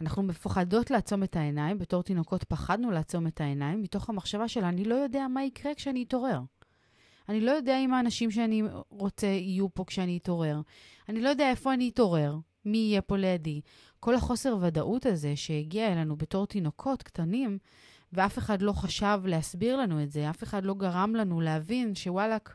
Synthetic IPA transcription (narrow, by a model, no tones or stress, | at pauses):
anaχnumefaχado̞tlaːt͡so̞me̞thaenaimbeto̞ʁt̪ino̞ko̞tpaχadnuleːt͡so̞me̞thaenaimːito̞χhamaχʃavaʃe̞laːnilo̞jo̞de̞amaikʁe̞kʃeaniːto̞ʁe̞ʁ | anilo̞jo̞deaimaːnaʃimʃeaniʁo̞t͡se̞ijupo̞kʃeaniːto̞ʁe̞ʁanilojo̞d̪eaefo̞aniːto̞ʁe̞ʁ | miːjepo̞lejadi | ko̞lhaχo̞se̞ʁvadaʔutaze̞ʃe̞jeɡiaelanube̞to̞ʁtino̞kʰo̞tktanim | veafe̞χadlo̞χaʃavleasbiʁlanuetzeafe̞χadlo̞ɡaʁamlanuleavinʃe̞walak